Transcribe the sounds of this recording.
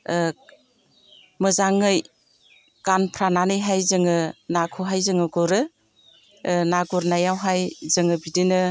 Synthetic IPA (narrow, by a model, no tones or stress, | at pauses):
mɯzaŋːɯj | kanpʰɾananɯjɦajzɯŋɯnakʰɔɦajzɯŋɯɡɔɾɯ | naɡɔɾnajawɦajzɯŋɯbidɯnɯ